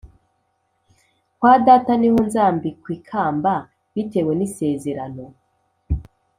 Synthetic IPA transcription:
kwaːdaːtanihonzaːmbikwiːkʰaːmba | βite̞we̞nise̞ːze̞ɾano̞

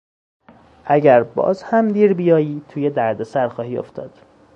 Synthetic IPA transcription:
ʔæɟæɾbɒ̰ːzhæmd̪iːɾbijɒːjiːt̪ʰuːje̞d̪æɾd̪e̞sæɾxɒːhiːo̞̰ft̪ʰɒ̰ːd̪̥

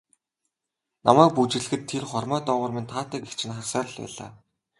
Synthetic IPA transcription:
namæːk̚put͡ɕɪ̆ɮxɘ̆t̪ʰːerχɔrmœːt̪ɔːʁʊːrmint̪ʰaːt̪æːkext͡ɕʰɪ̆nχarsœːr̆ɮpæ̰ːɮa̰ː

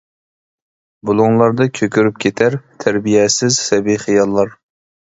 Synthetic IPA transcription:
bulˠʊŋlˠɑɾd̪ɑkʲʰøkʲyɾyp̚kʲʰet̪ʰæɾt̪ʰæɾbijɛsɪzsɛbiχijɑlˠːɑɾ

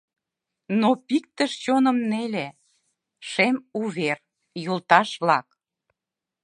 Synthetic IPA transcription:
nopik̚t̪əʃt͡ɕonəmnele | ʃemuβer | jult̪ɑʃβlɑk̚

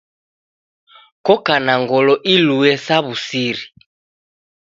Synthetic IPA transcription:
kɔkanaŋɡɔlɔʔiluɛsaβusiɾi

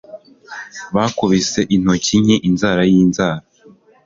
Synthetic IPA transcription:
βaːkoβise̞ʔin̥ociɲeʔinzaːɾajiːnzaːɾa

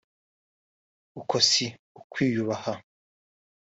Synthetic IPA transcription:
ukʰosi | ukwiːjuβaha

